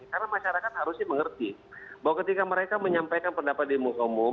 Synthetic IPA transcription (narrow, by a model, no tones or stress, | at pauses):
karnamaʃaɾakat̪̚haɾusɲaməŋərt̪ibawakət̪ikaməɾekaməɲampajkanpəndapat̪̚dimusaumu